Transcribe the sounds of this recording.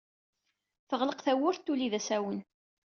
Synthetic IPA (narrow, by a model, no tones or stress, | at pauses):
θəʁləqθæwʊɾt̪ːuliðæsæwən